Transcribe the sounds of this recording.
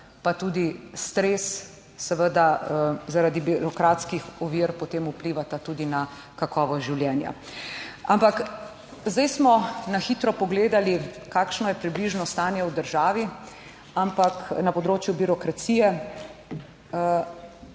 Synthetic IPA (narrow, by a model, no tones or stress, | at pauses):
pat̪uːd̪ist̪ɾeːsː | əʋəd̪azaɾaːd̪ibiɾɔkɾaːt̪skixɔʋiɾpɔt̪eːmupliʋat̪at̪uːd̪ina | kakɔːʋɔʒiwljɛnja̰ | ampak | zd̪ajsmɔnaxit̪ɾɔpɔɡleːd̪alikaːkʃnɔjɛpɾibliʒnɔst̪aːnjɛwd̪əɾʒaːʋi | ampaknapɔd̪ɾoːt͡ʃjubiɾɔkɾat̪siːjɛ